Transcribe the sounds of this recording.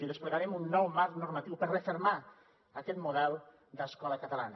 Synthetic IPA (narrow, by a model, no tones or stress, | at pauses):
iðespleɣaɾɛmunːɔwmaɾknuɾmat̪iwpəɾrefeɾma | akɛt̪muðɛlˠ | d̪əskɔləkət̪əlanə